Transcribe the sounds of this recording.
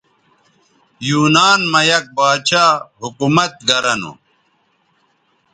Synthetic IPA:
juːnaːnmɐjɐk̚baːt͡ɕaːɦukumɐt̪̚ɡɐɾɐnṵ

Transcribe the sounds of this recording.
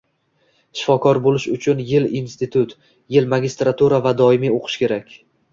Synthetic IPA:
ʃɪfɒkʰɒɾbolɪʃʊt͡ʃʰʊnjɪlinst̪ɪt̪ʰʊt̪ | jɪlmaɡʲɪst̪ɾat̪ʰuɾavad̪ɒɪmioqʰɨ̥ʃkʲe̞ɾakʲ

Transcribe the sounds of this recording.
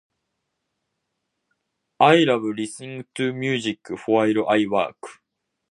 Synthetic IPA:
aiɾabɯ̟ɾʲisɨĩŋɡɯ̟t̪ɨːmʲjɨːʑikːɯ̟ɸoaiɾɯ̟ʔaiβa̰ːkɯ̥

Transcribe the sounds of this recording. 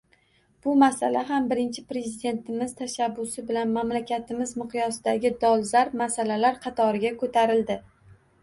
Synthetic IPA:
b̥ʊmasa̰laɦambɪɾɪnt͡ʃʰɪpɾe̞zid̪e̞nt̪ʰɪmɪz̥t̪ʰaʃabːʊsɪbɪlanmamlakʲʰat̪ʰɪmɪzmɨqʰjɒsɪd̪aɡʲɪd̪ɒlˠzaɾp̚masalalaɾqʰɑt̪ʰɒɾɪɡʲakʰɵt̪ʰaɾɪld̪ɪ

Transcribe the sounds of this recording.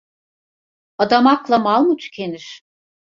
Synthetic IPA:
ad̪amaklˠamalˠmut͡ʃʰcʰeniɾ̥

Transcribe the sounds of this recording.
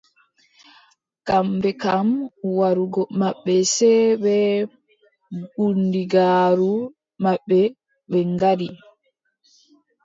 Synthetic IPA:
kambɛkamwaɾuɡɔmaɓːɛsɛɓɛ | ɡundiɡaːɾu | maɓːɛ | ɓɛŋɡadi

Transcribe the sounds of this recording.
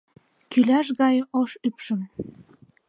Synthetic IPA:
kylæʃɣɑjʔoʃypʃə̆m

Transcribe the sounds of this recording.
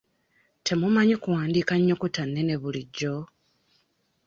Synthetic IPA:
tʰe̞mumaɲekuwaːndiːkaɲːo̞kutanːe̞ne̞βuliɟːo̞

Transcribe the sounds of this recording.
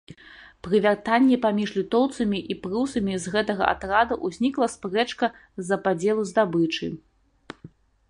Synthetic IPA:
pɾɨvʲart̪anʲːɛpamʲiʐlʲit̪ɔwt̪sɐmʲiʔipɾɨwsɐmʲizɣɛt̪ɐɣɐ̰ʔa̰t̪ɾad̪ɐʔuzʲnʲiklˠɐspɾɛt͡ʂkɐ | zɐpad͡zʲɛlˠuzd̪abɨt͡ʂɨ̰

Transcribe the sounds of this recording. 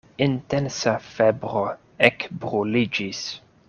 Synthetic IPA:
intɛnsafebɾo | ekbɾolid͡ʒis

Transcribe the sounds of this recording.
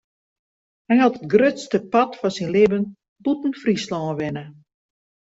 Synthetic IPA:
hɛjhɔtət̚ɡrøtstəpɑtfɔsinlɪbən | butn̩frislɔːʋɪnə

